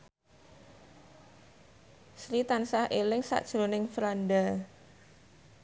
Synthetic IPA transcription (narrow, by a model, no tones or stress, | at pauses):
sɾit̪ansahʔelɪŋsa̰ʔd̥ʒ̥ɾonɪŋfɾanda